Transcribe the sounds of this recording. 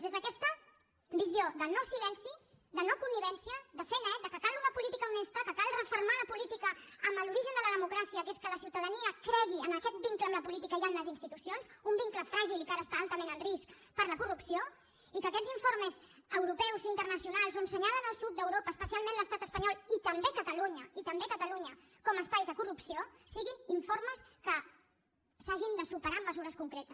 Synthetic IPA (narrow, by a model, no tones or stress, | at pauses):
zezəkɛst̪ə | βizjoðənosilɛnsi | ðənokunːiβɛnsiəd̪əfɛnɛd̪əkəkalˠunəpulit̪ikəunest̪əkəkalˠrəfuɾmaləpulit̪ikəəmbəluɾiʒənd̪ələðəmukɾasiəkeskələsiwt̪əðəniəkɾɛɣiənəkɛt̪̚biŋkləmləpulit̪ikəianləzinst̪it̪usionzumbiŋkləfɾaʒilˠkaɾəːst̪aalˠt̪əmenənriskpəɾləkurupsio | ikəːkɛziɱfoɾməzəwɾupɛwzint̪ərnəsiunalˠzonsəɲalənəlˠsut̪̚d̪əwɾopəːspəsialˠmẽnləst̪at̪əspəɲɔlˠit̪əmbekət̪əluɲəit̪əmbekət̪əluɲə | kɔməspajzðəkurupsiosiɣiniɱforməskə | saʒind̪əsupəɾamːəzuɾəskuŋkɾɛt̪əs